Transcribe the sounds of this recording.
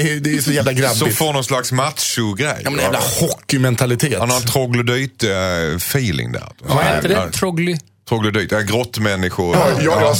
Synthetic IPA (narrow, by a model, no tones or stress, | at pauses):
ɛd̪ɛsɔjæːvlaɡɾabsɔɪmfoːnɔnslaksmat̪ʃʊɡɾɛ̰jmɛnɛjvlahɔkːɪmɛnt̪ʰalɪt̪ʰeːt̪hanhɾnt̪ʰɾɔɡlʊd̪yːt̪fiːlɪ̰ŋd̪æ̰əd̪ɛt̪ʰɾɔɡlɪ | t̪ɾɔɡlʊd̪yːt̪ɛɡɾɔt̪ːmɛnːɪɧʊɾj